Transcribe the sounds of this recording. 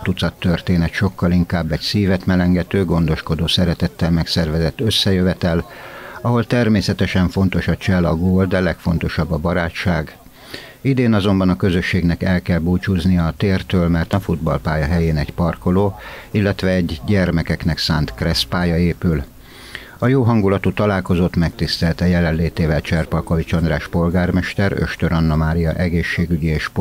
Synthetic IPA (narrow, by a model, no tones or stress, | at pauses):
t̪ut̪sɒt̪ːørt̪eːnɛt̪ʃo̞kːɒliŋkaːbːɛɟsiːvɛt̪mɛlɛŋɡɛt̪øːɡo̞nd̪o̞ʃko̞d̪oːsɛɾɛt̪ɛt̪ːɛlmɛksɛrvɛzɛt̪ːø̞sːɛjøvɛt̪ɛlɒɦo̞lt̪ɛrmeːsɛt̪ɛʃɛɱfo̞nt̪o̞ʃɒt͡ʃɛlɒɡoːld̪ɛlɛkfo̞̰n̪t̪o̞ʃɒbːɒbɒɾaːtʃaːɡ | id̪eːnɒzo̞mbɒnɒkø̞zø̞ʃːeːɡnɛkɛlkɛlbuːt͡ʃuznijɒːt̪eːrt̪øːlmɛrt̪ɒfud̪bɒ̰lpaːjɒɦɛjeːnɛɟpɒrko̞loːilːɛt̪ʋɛːɟɟɛrmɛkɛkn̪ɛksaːnt̪krɛspaːjɒeːpyl | ɒjoːɦɒŋɡulɒt̪ut̪ɒlaːlko̞zot̪mɛk̚t̪ist̪ɛlt̪ɛjɛlɛnleːt̪eːvɛlt͡ʃɛrpɒlko̞vit͡ʃɒnd̪raːʃpo̞lɡaːrmɛʃt̪ɛɾø̰ʃt̪øɾɒnːɒmaːɾijɒ̰ʔɛɡeːʃːeːɡyɟieːʃ